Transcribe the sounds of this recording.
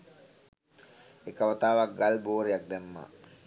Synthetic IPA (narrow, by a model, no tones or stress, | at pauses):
ekəʋat̪aːʋak̚ɡalboːɾejak̚d̪ɛmːa̰ː